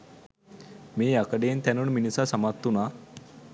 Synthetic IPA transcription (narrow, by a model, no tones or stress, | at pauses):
miːjakəɖent̪januɳminisasəmat̪ːuna